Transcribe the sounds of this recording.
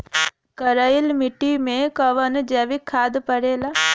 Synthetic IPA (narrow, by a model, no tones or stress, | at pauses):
kəɾəɪlmɪʈːimẽkɐʋənd͡ʒɛːʋikʰːaːd̪pəɽeːlaː